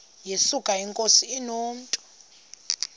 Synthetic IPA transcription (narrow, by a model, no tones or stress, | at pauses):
jesukʼaiŋkʼosiːnoːm̩tʼɔ̥